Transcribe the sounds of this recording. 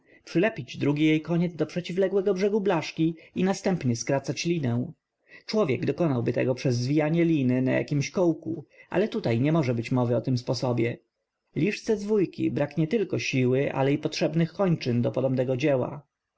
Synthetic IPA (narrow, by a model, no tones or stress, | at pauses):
pʂɘlɛpʲid͡ʑd̪ɾuɡʲijejkɔɲɛd̪zd̪ɔpʂɛt͡ɕivlɛɡwɛɡɔbʐɛɡublaʂkʲiinast̪ɛmpɲɛskɾat̪sat͡ɕlʲinɛw̃ | t͡ʂwɔvʲjɛɡd̪ɔkɔnawbɘt̪ɛ̰ɡɔpʂɛzːvʲijaɲɛlʲinɘna̰ja̰kʲimɕkɔwkṵʔa̰lɛt̪ut̪ajɲɛmɔʐɛbɘt͡ɕmɔvɘɔt̪ɘmspɔsɔbʲjɛ | lʲiʂt̪sɛzvujkʲḭbɾakɲɛt̪ɘlkɔɕiwɘʔa̰lɛipɔtʂɛbnɘxkɔɲt͡ʂɘnd̪ɔpɔd̪ɔmnɛɡɔd͡ʑɛwa̰